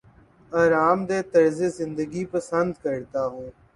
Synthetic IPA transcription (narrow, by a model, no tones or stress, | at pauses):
aːɾaːmd̪eːt̪əɾzeːzɪ̃nd̪əɡiːpəsənd̪kəɾt̪aːɦõː